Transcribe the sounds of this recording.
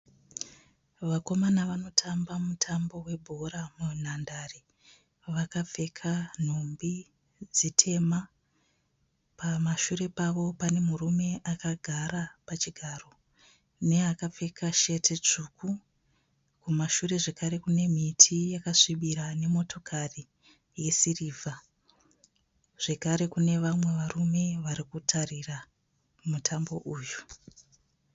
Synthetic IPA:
ʋako̞manaʋano̞tʰambamutʰambo̞we̞bʱoɾamun̤andari | ʋakap͡fe̞kʰan̤ombi | d͡zitʰe̞ma | pamaʃuɾe̞paʋo̞pane̞murume̞ʔakaɡʱaɾapat͡ʃiɡʱaro̞ | ne̞akap͡fe̞kʰaʃe̞tʰe̞t͡ʂuku | kumaʃuɾe̞ʐekaɾe̞kune̞m̤itʰijakaʂiɓiɾane̞mo̞to̞kʰari | je̞siriːvʱa | ʐ̥e̞kaɾe̞kune̞ʋamwe̞ʋarume̞ʋaɾikutʰarira | mutʰambo̞ʔuːju̥

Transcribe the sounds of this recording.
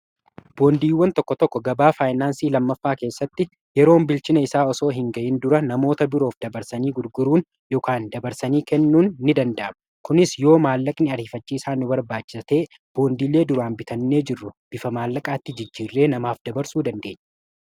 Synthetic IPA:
b̥o̞ːnd̪iːwːɐnt̪ɔkːɔt̪ɔkːɔɡɐbaːfaːjnaːnsiːlɐmːɐfːaːke̞ːsːɐt̪ːɪ | jɛɾo̞ːmbɪlt͡ʃɪnɐɪsaːɔso̞ːɦɪŋɡɐʔɪnd̪ʊɾɐnɐmo̞ːt̪ɐbɪɾo̞ːfd̪ɐbɐɾsɐniːɡʊɾɡʊɾuːn | joːkaːnd̪ɐbɐɾsɐniːkɛnːuːnːɪd̪ɐnd̪ɐʔɐm | kʊnɪsjo̞ːmaːlːɐkʼnɪɐɾiːfɐt͡ʃːiːsaːnʊbɐɾbaːt͡ʃːɪ̥sɐt̪e̞ː | b̥o̞ːnd̪iːle̞ːd̪ʊɾaːnbɪt̪ʰɐnːe̞ːd͡ʒɪrːʊb̥ɪfɐmaːlːɐkʼaːt̪ːɪd͡ʒɪd͡ʒːiːrːe̞ːnɐmaːfd̪ɐbɐɾsuːd̪ɐnd̪e̞ːɲːɐ̥

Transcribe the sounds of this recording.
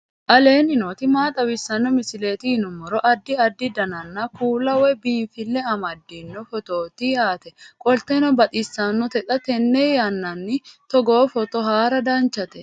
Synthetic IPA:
ʔɐle̞ːnɪnoːt̪ɪmaːt̪ʼɐwɪsːɐnːɔmɪsɪle̞ːt̪ɪhɪnʊmːɔɾɔʔɐd̪ːɪɐd̪ːɪd̪ɐnɐnːɐkuːlɐwɛbiːnfɪlːɛɐmɐd̪ːɪnːɔfɔt̪o̞ːt̪ɪjaːt̪ɛkʼɔlt̪ːɛnɔbɐt̪ʼɪsːɐnːɔt̪ɛt̪ʼɐt̪ɛnːɛjɐnːɐnːɪt̪ɔɡoːfɔt̪ɔɦaːɾɐd̪ɐnt͡ʃːɐt̪ɛ

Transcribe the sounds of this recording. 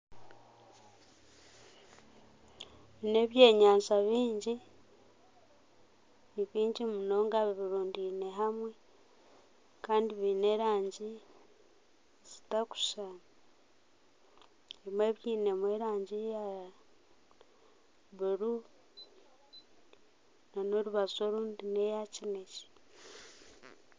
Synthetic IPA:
βine̞βje̞ːɲaːnzaβiːɲɟi | niβiːɲɟimuno̞ːŋɡaβiβiɾuːndine̞ɦamwe | kaːndiβine̞ːɾaːɲɟi | z̥i̥taku̥ʃaːna | emwe̞βjiːne̞mweːɾaːɲɟija | βuɾu | nano̞ɾuβazo̞ɾuːndine̞jacineci̥

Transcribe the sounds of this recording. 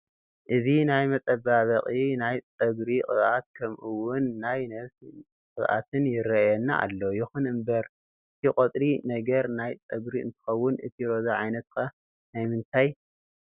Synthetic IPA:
ʔɨzinajmɐt͡sʼɐbaβɐqʼinajt͡sʼɐɡɾikʼɨ̰βʔat̪̚kʰɐmʔɨwʊnːajnɐs | kʼɨβʔa̰t̪ʰɨnjɪrɐjɛnːa̰a̰lːo̞jɪxunɨmbɐɾ | ɨt̪ʰikʼot̪ʼɾinɐɡɐɾnajt͡sʼɐɡɾiɨ̰nt̪ʰɨ̥xɐwːʊnɨ̰t̪ʰiɾo̞zaʕajnɐt̪̚kʰa | najmɨnt̪ʰaj

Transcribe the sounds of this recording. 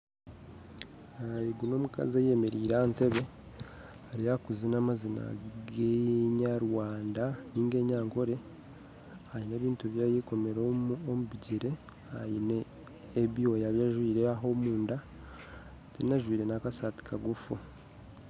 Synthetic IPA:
ajiɡuno̞ːmuka̰zejeme̞ɾiːɾante̞βe̞ | aɾijakuzinamazina̰ɡeɲaɾwaːndaniːŋɡe̞ːɲaːŋko̞ɾe̞ | ajineːβiːntuβjaːjeko̞me̞ɾoomuβiɟiɾe̞ | ajineː | βiwojaβjaʒwiːɾeaɦo̞muːnda | tenaʒwiːɾe̞nakasati̥kʰaɡufu

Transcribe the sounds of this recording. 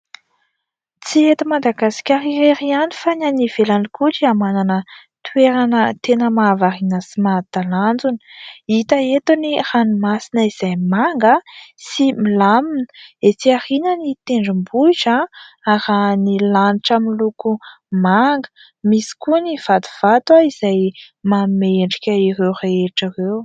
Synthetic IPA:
t͡siet̪imad̪aɡasi̥kʲaɾieɾianifananiv̥elanikuʈ͡ʂiamananət̪uweɾanət̪enəmaːvaɾinəsimad̪aland͡zunə̥it̪əet̪uniranimasinəiz̥ajmaŋɡəsimilaminet͡siarinənit̪eɳɖ͡ʐimbut͡ʃaaɾanilaniʈ͡ʂamiluku | maŋɡə̥ | misi̥kuniv̥ad̪u̥v̥at̪waiz̥ajmameɳɖ͡ʐikʲəirewreeʈ͡ʂirew

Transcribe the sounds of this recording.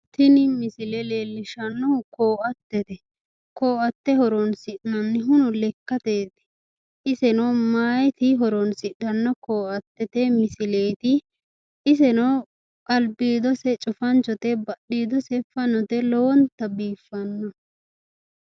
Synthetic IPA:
t̪ɪnɪmɪsɪlɛleːlːɪʃɐnːɔkoːʔɐt̪ːɛt̪ɛ | koːʔɐt̪ːɛhɔɾɔnsɪʔnɐnːɪɦʊnʊlɛkːɐt̪eːd̪ɛ̥ | ʔɪsɛnɔwmaːjɛt̪ɪɦɔɾɔnsɪɗɐnːɔkoːʔɐt̪ːɛt̪ɛmɪsɪleːt̪ɪ | ɪs̬ɛnɔ | kʼɐlbiːd̪ɔsɛt͡ʃʼʊfɐnt͡ʃːɔt̪ɛbɐɗːiːd̪ɔsɛfɐnɔt̪ɛlɔwɔnt̪ɐbiːfːɐnːɔ

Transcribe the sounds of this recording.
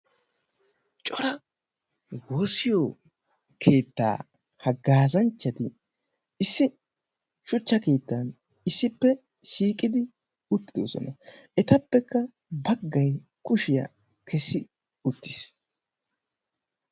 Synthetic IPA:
t͡ʃʼɔɾɐ | wo̞ːsɪjo | kʰe̞ːt̪ːa̰ː | hɐɡaːzɐnt͡ʃːɐt̪ɪ | ɪsːɪ | ʃʊt͡ʃːɐke̞ːt̪ːɐn | ɪsːɪpːɛ | ʃiːkʼɪd̪ɪ | ʊt̪ːɪd̪o̰sɔ̰nɐ | ɛt̪ɐpːɛkːɐ | bɐɡːɐj | kʊʃɪjɐ̰ | kʰɛsːɪ | ʊt̪ːɪs

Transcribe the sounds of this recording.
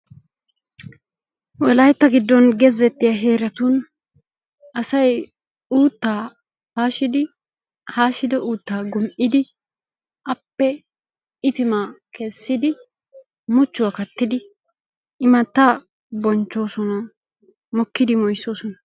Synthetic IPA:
wɛlɐjt̪ːɐɡɪd̪ːɔnɡɛzɛt̪ːɪjɐɦe̞ːɾɐt̪un | ʔɐsɐj | uːt̪ːaː | haːʃɪd̪ɪ | haːʃɪd̪ɔʔuːt̪ːaːɡʊmʔɪd̪ɪ | ʔɐpːɛ | ɪt̪ɪmaːkʰɛsːɪd̪ɪ | mʊt͡ʃːʊwakɐt̪ːɪd̪ɪ | ɪmɐt̪ːa | bɔnt͡ʃːo̞ːsɔnɐ | mɔkːɪd̪ɪmɔjsːo̞ːsɔnɐ

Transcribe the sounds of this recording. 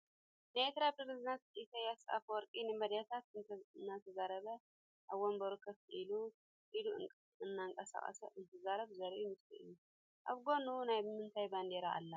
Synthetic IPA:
najet̪ɾapʰɾeɾeznat̪isajasa̰fwɔɾkʼinɨmɐd̪jat̪ʰat̪nːat̪ʰɐzaɾɐβɐ | ʔaβwombɐɾukʰːɐftʔilu | ʔiluɨ | ɨnːaŋkʼɐsa̰χʼɐ̰sɐʔɨnt̪ʰɐzaɾɐβzɐɾʔumɨst̪ʰiʔɨ̰jːu | ʔaβɡo̞nunajmɨnt̪ʰajband̪eɾaʔa̰lːa

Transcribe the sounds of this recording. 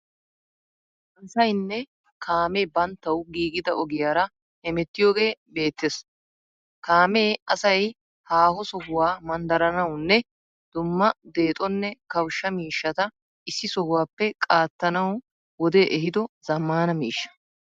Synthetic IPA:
ɐnsɐjnːɛ | kʰaːmeːbɐnt̪ːɐwɡiːɡɪd̪ɐʔɔɡɪjaːɾɐ | hɛmɛt̪ːɪjo̞ːɡe̞ːbe̞ːt̪ːes | kaːmeːɐsɐj | haːhɔsɔhʊwaːmɐnd̪ɐɾɐnɐwnːɛ | d̪̥ʊmːɐd̪e̞ːt̪ʼɔnːɛkɐwʃːɐmiːʃːɐt̪ɐ | ʔɪsːɪsɔhʊwaːpːɛkʼaːt̪ːɐnɐw | wɔd̪eːʔɛɦɪd̪ɔz̥ɐmːaːnɐmiːʃːɐ̥

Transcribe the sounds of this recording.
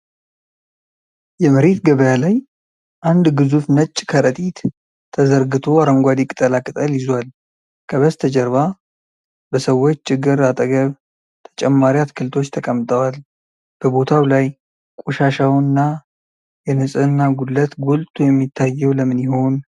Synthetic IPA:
jɛməɾe̞t̪ɡəβəjalaj | ʔand̪ɡɨzufnət͡ʃʼːkʰəɾət̪ʼit̪ʰː | əzəɾɡɨt̪ʰo̞aɾəŋɡʷad̪ikʼɨ̥t̪ʼəlakʼɨt̪ʼəlɪzwal | kʰəβəst̪ʰəd͡ʒɛɾβa | bəsəwːo̞t͡ʃːt͡ʃʰːɪɡːɨɾat̪ʼəɡəβ | t̪ʰə̥t͡ʃʼɛmːaɾiat̪kʰɨlt̪ʰo̞t͡ʃːt̪ʰəkʼəmt̪ʼəwal | b̥əbo̞t̪ʰawlaj | kʼuʃaʃawnːa | jɛnɨsʼɨnːaɡulət̪ɡolt̪ʰʼujɛmːit̪ʰːajːɛwləmɨniho̞n

